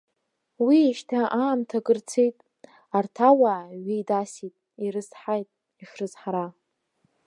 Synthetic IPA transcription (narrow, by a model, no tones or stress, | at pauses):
wiːʃtʰaʔaːmtʰaɡɨrt͡sʰejtʼ | artʰawaaɥijdasitʼ | iɾɨsħajtʼ | iʂrɨzħaɾa